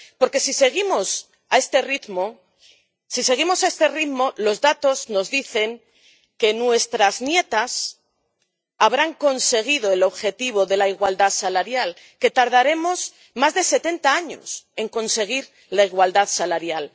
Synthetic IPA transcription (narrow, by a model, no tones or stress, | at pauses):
po̞ɾke̞sise̞ɣ̞imo̞s | ae̞st̪e̞rit̪mo | sise̞ɣ̞imo̞sae̞st̪e̞riðmo̞lo̞zðat̪o̞zno̞zðiθe̞ŋ | ke̞nwe̞st̪ɾaznje̞t̪as | aβɾaŋko̞nse̞ɣ̞ið̞o̞elo̞βxe̞t̪iβ̞o̞ðe̞laiɣwald̪aðsalaɾjal | ke̞t̪aɾð̞aɾe̞mo̞s | mazðe̞se̞t̪e̞nt̪aaɲo̞̰se̞ŋko̞nse̞ɣ̞iɾ | laiɣwald̪aðsalaɾjal